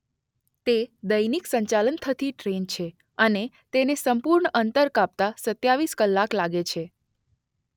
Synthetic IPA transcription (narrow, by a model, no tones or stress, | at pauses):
t̪ed̪əjniksəɲt͡ʃalənt̪ʰət̪iʈɾent͡ʃʰe | əne | t̪enesəmpuɾɳəʔənt̪əɾkap̚t̪asət̪jaʋiskəlːaklaɡet͡ʃʰe